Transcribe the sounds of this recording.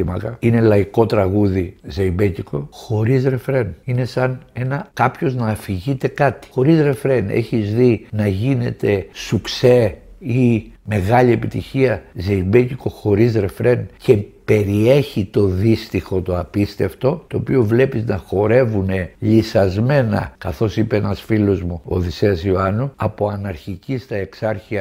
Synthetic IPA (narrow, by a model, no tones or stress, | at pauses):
imɐ̰kɐine̞lɐiko̞t̪ɾɐɣuðizeibe̞ciko̞xo̞ɾizɾe̞fɾe̞nine̞sɐne̞nɐkɐpço̞znɐːfiʝit̪e̞kɐt̪i̥xo̞ɾizɾe̞fɾe̞nḛçizðinɐʝine̞t̪e̞sukse̞ime̞ɣɐʎie̞pit̪içiɐzeibeciko̞xo̞ɾizɾe̞fɾe̞nce̞pe̞ɾieçit̪o̞ðist̪ixo̞t̪o̞ɐpist̪e̞ft̪o̞t̪o̞ːpio̞vle̞piznɐxo̞ɾe̞vune̞ʎisɐzme̞nɐ̰kɐθo̞sipeenɐsfilo̞zmuo̰ðiseɐsio̞ɐnuɐpo̞ɐnɐɾçicist̪ɐe̞ksɐɾçiɐ